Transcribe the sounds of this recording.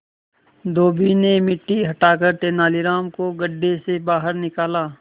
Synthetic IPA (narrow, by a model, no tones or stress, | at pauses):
d̪oːbinemɪʈːiɦɐʈaːkəɾt̪eːnaːliɾaːmkoɡəɖːesebaːɦəɾnɪkaːlaː